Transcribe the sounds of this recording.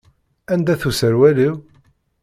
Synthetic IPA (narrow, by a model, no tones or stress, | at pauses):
ænd̪æθusəɾwæliw